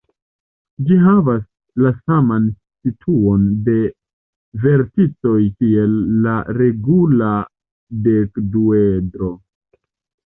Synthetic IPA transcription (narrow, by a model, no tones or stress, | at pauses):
d͡ʒiɦavas | lasaman | sitʰuo̞nde̞ | ve̞ɾtit͡so̞jkie̞lːaɾe̞ɡula | de̞kduedɾo̞